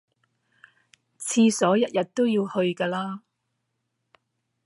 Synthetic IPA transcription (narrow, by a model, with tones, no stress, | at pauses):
t͡sʰiː˧sɔː˨˥jɐ˥t̚jɐ˨t̚t̪o˥wjiː˧whɵ˧ɥkaː˧laː˥